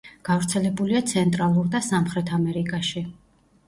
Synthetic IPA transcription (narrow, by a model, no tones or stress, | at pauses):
ɡ̥avɾt̪sʰɛlɛbuliat̪sʰɛnt̪ʼɾalˠuɾd̪asamχɾɛt̪ʰamɛɾikʼaʃi